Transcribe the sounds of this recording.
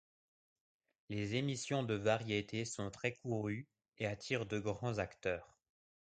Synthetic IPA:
lezemisjɔ̃d̪əvaʁjet̪ʰesɔ̃t̪χɛkuʁy | eat̪ʰiːʁd̪əɡʁɑ̃zakt̪œːʁ

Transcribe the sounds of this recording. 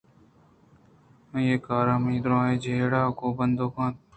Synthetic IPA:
eːkaːɾãːmĩːd̪ɾãːeːd͡ʒeːɽaːkoːbənd̪oːkãːt̪̚

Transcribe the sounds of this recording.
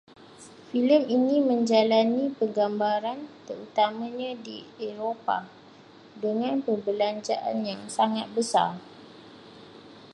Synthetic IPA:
filəminĩmə̃ɲd͡ʒalanipəɡambaɾant̪əɾut̪amãɲãdieɾopa̰ | dəŋãnpəbəlaɲd͡ʒaʔa̰njaŋsaŋat̪̚bəsa̰r

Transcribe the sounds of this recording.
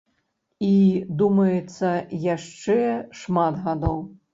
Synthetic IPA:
id̪umɐjɛt̪sːɐjaʂt͡ʂɛʂmat̪ɣad̪ɔw

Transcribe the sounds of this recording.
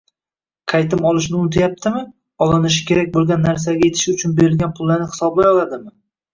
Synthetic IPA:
qʰɑjt̪ʰɪmɒlˠɪʃ̬nɪʊnt̪ʰajap̚t̪ʰɪmɪ | ɒlˠɪnɪʃ̬ɪ̥kʲʰe̞ɾak̚ʲbolˠɡʲanːaɾs̬aɡʲajet̪ʰɪ̥ʃʊt͡ʃʰʊnbe̞ɾɪlɡʲanpʰʊlˠːaɾnɪhɪ̥sɒblajɒlˠad̪ɪmɪ

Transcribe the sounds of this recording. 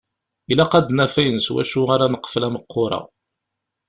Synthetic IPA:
ilæqɑd̪næfæjənswæ̰ʃuaɾanəqːə̥flæməqːʊɾˤɑ̰

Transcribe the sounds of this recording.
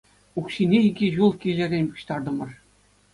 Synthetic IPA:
ukɕinʲeiɡʲiʑulˠkʲilʲɘ̆rʲenʲpu̥ɕt̪ɑrd̪ɤ̆mɤ̆r

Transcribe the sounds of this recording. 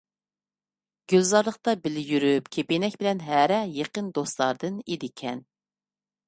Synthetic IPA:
ɡ̥ʲølzɑɾlˠəqt̪ɑbɪlɪjyɾypkʲʰepenɛkʲbɪlɛnɦæɾɛjeqənd̪ost̪lˠɑɾd̪ɨned̪ɪkʲʰɛn

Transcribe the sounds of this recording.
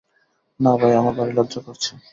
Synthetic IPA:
nabajamabaɾelɔdd͡ʑokoɾt͡ɕʰe

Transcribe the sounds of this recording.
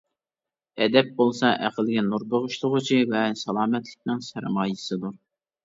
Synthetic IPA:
ɛd̪ɛp̚bolˠsɑʔæqəlˠɡʲɛnuɾbəʁʊʃt̪ʰʊʁʊt͡ʃʰivɛsɑlˠɑːmɛt̪lɪk̚ʲnɪŋsæɾmɑːjɨsɨd̪uɾ

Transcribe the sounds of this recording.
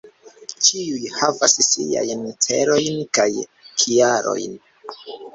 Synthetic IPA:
t͡ʃiujhavassia̰jntʰḛɾojnkajkʰiaɾo̞̰jn

